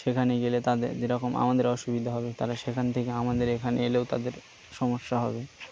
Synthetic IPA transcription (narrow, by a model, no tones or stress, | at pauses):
ʃekʰaneɡelet̪ad̪ḛɾd͡ʑeɾɔkomʔa̰mad̪eɾɔʃubid̪ʱaɦɔbet̪aɾaʃekʰant̪ʰekeamad̪eɾekʰaneeleot̪a̰d̪eɾ | ʃɔmoʃːaɦɔbe